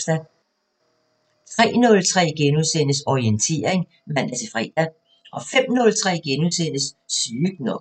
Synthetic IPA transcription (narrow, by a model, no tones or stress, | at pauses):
sd̥æ | t͡sʰʁɛ̰ːnɔ̽lt͡sʰʁɛ̰ːɡ̥enuðˠsen̰əsɒient͡sʰe̝̰ːɐeŋ | mæn̰d̥æt͡sʰe̝fʁɛ̰ːd̥æ | ʔɒ̽fem̰nɔ̽lt͡sʰʁɛ̰ːɡ̥enuðˠsen̰əsːyːɡ̥nɔ